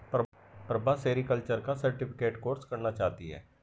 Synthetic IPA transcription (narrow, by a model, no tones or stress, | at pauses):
pɾ | pɾəbʱaseːɾikəlt͡ʃəɾkasəɾʈɪpʰɪkeːʈkoːɾskəɾnat͡ʃaːt̪iɦɛ̰ː